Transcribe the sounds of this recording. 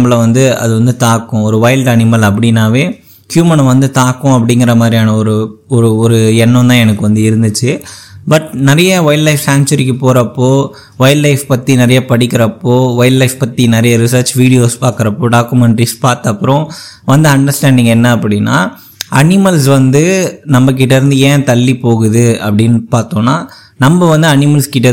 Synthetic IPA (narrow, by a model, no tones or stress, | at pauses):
mːɐlɐʋɐnd̪ɯɐ̰ðɯʋɐnd̪ɯt̪aːkːʊ̃ɔɾɯʋɐɪlɖɐnɪmɐlɐpːɐɽɪnːaːʋeː | kjuːmɐñʋɐnd̪ɯt̪aːkːʊ̃ɐpːɐɽɪŋɡɪɾɐmaːd̪ɾijaːnɐɔɾɯɔɾɯɔɾɯɛnːɔ̃t̪ãːɛnɐkːɯʋɐnd̪ɯɪɾɯnd̪ɯt͡ʃːɯbɐʈnɐɾɐjɐʋɐɪllɐɪfsaːnt͡ʃɐɾɪkːɯpoːɾɐpːoː | ʋɐɪllɐɪfpɐt̪ːinɪɾɐjɐpɐɽɪkːɪɾɐpːoːʋɐjllɐɪfpɐt̪ːinɪɾɐjɐɾɪsɐːɾt͡ʃʋiːɽɪjoːspaːɾkɯɾɐpːoːɖaːkːɯmɛɳʈɾispaːɾt̪ɐpːɯɾõ | ʋɐnd̪ɯɐɳɖɐɾsʈaːɳɖɪ̃ŋɡɛnːɐːpːɐɽɪnːa̰ː | ɐnɪmɐlsʋɐnd̪ɯnɐmːɐk̬ːɪʈːɐɪɾɯnd̪ɯẽːt̪ɐlːipoːɣɯðɯɐ̰pːɐɽɪnːɯpaːɾt̪õːnːaː | nɐmbɐʋɐnd̪ɯɐnɪmɐlskɪʈːɐ